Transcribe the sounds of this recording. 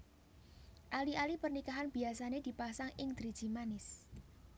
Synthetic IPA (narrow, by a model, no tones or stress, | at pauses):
ʔaliʔalipərnikaɦanb̥i̤asaned̪̥i̤pasaŋʔɪŋd̪̥ɾi̥ʒ̥imanɪs